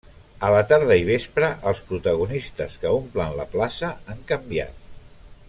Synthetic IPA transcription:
ələt̪aɾð̞əiβ̞espɾəʔəlˠspɾut̪əɣunist̪əskəomplənlə̰plasəaŋkəmbia̰t̪̚

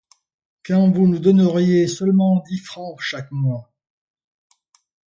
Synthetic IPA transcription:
kɑ̃vunud̪ɔnəʁjesœlmɑ̃d̪ifχɑ̃ʃakmwa

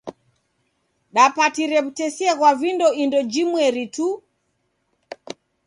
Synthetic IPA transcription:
ɗapatiɾɛβutɛsiɛɣwavindɔindɔd͡ʒimwɛɾitu

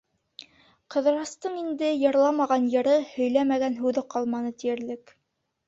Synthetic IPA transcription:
qɤ̆ðɾɑst̪ɤɴind̪ɘjɤ̆ɾlˠɑmɑʁɑnjɤ̆ɾɤhɵ̆jlæmæɡænɦʉðɤqɑlˠmɑnɤt̪ijɘ̆ɾlɘk

